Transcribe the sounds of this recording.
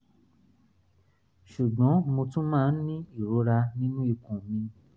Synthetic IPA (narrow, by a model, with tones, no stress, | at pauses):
ʃu˨ɡ͡bɔ̃˨˦mo˧tũ˦mãː˦˨n̩˦nĩ˦i˦˨ɾo˨˦ɾa˧nĩ˦nũ˦i˨kũ˨mĩ˧